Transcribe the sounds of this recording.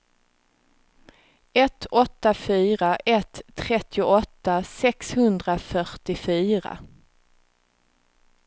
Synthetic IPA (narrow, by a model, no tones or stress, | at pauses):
ɛt̪ʰːɔt̪ːafyːɾaʔɛt̪ʰːɾɛt̪ːɪʊɔt̪ːasɛkshɵnd̪ɾafœʈɪfyːɾa̰